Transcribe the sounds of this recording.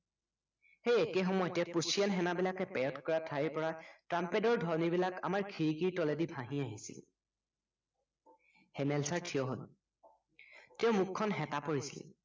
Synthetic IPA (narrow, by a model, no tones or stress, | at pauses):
xejɛkɛxɔmɔjɔtɛpusijanɦɛnabilakɛpɛjɔtkɔɹatʰaiɹpɔɹatɹampɛdɔɹdʱɔɹnibilaka̰maɹkʰiɹikiɹtɔledibʱãɦĩaɦisḭl | hɛmɛlsaɹtʰijɔɦol | tɛʊmukʰːɔnɦɛtapoɹisḭl̰